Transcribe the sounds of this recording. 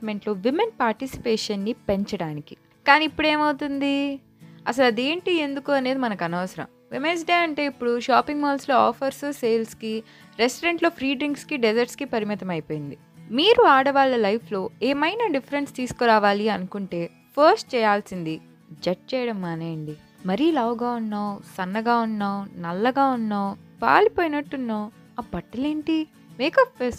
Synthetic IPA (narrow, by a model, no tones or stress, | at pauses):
me̞ɳʈlo̞ːʋimenpaːɾʈisi̥peːʂɐnːipe̞ɲt͡ʃɐɽaːniki | kaːniːpːuɽe̞ːmɐwt̪und̪i | ɐs̬ɐlɐd̪e̞ːɳʈie̞nd̪ukuɐne̞ːd̪imɐnɐkɐnaːʋɐsɐɾɐ̰m | ʋemes̬ɖeːɐɳʈe̞ːipːuɽuʃaːpiŋɡmɔːlslo̞ːaːpʰɐɾsuseːlski | ɾesʈɐɾeɳʈlo̞ːpʰɾiːɖɾiŋkskiɖed͡ʒɐɾʈskipɐɾimit̪ɐmɐjpo̞ːjind̪i | miːɾuaːɽɐʋaːɭːɐlɐjpʰlo̞ːeːmɐjnɐɖifʰɐɾenst̪iːsu̥kuɾaːʋaːliɐnukuɳʈe̞ː | pʰɐɾsʈ̚t͡ʃɛːjaːlsind̪i | d͡ʒɐʈ̚t͡ʃɛːjɐɽɐmːaːneːjɐɳɖi | mɐɾilaːwuɡaːunːaːwsɐnːɐɡaːunːaːwnɐlːɐɡaːunːaːwpa̰ːlipoːjinɐʈːunːaːw | aːbɐʈːɐle̞ːɳʈi | meːkɐpːes